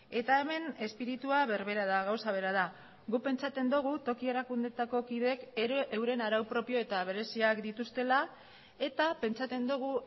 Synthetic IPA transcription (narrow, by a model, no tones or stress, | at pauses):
e̞t̪aeme̞ne̞spiɾit̪uaβe̞ɾβe̞ɾað̞aɣawsaβ̞e̞ɾað̞a | ɡupe̞nt͡ʃat̪e̞nd̪uɣ̞ut̪o̞kie̞ɾakund̪e̞t̪ako̞kiðe̞kʔewɾe̞naɾawpɾo̞pio̞e̞t̪aβ̞e̞ɾe̞siakd̪it̪ust̪e̞la | e̞t̪ape̞nt͡sat̪e̞nd̪uɣ̞u